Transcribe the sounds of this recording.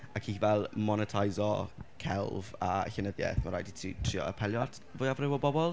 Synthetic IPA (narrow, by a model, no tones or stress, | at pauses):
akʰivɛlˠmɔnətʰajzɔkʰɛlˠva̰ɬɛnəðjɛ̰θmaɾajditʰitʰr̥iɔ̰ə̰pʰɛlˠjɔd | vʊjavrɪwɔbɔbɔlˠ